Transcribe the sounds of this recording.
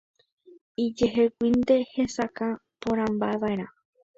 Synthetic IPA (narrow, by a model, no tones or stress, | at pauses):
id͡ʒeɦekʷind̪e̞he̞sakã | põɾ̃ãmbaeʋaeɾã